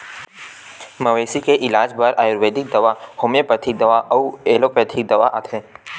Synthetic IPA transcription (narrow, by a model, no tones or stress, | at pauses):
mɐʋeːsikeʔɪlaːd͡ʒbɐɾaːjoɾʋeːd̪ɪk̚d̪ɐʋahomepɾət̪ʰiːk̚d̪ɐʋaʔɐeːlopɾɐt̪ʰik̚d̪ɐʋaʔat̪ʰẽː